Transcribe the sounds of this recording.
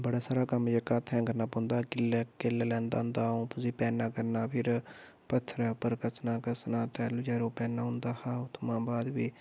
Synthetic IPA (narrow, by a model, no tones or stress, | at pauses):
bəɽaːsaːɾaːkəmd͡ʒəkaːt̪ʰːɛ̃ːkəɾnaːpɔ̃ːnd̪aːkɪlɛːkelːɛːlɛ̃ːnd̪a̰ːɦʊ̃nd̪aːõːpʊsiːpɛːnaːkəɾnaːpʰɪɾ | pət̪ʰːɾɛːʊpːəɾkəsnaːkəsnaːt̪ɛːlud͡ʒɛːɾõːpɛːnaːɦʊ̃nd̪aːhaːʊt̪ʰmãːbaːd̪ʋiː